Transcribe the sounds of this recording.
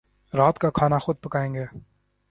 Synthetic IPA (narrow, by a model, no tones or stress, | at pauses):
ɾaːt̪kakʰaːnaxʊd̪̚pɐkaːẽːŋɡeː